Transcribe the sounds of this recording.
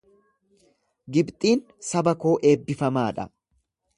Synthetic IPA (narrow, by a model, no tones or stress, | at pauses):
ɡɪbt̪ʼiːn | sɐbɐko̞ːʔeːbːɪfɐmaːᶑɐ̰